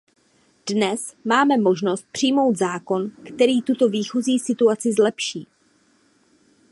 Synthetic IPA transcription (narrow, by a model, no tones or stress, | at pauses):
d̥nɛsmaːmɛmo̞ʒno̞st̪̚pr̝̥ɪjmo̞wt̪zaːko̞nkt̪ɛɾiːt̪ut̪o̞viːxoziːsɪt̪uat͡sɪzlɛpʃiː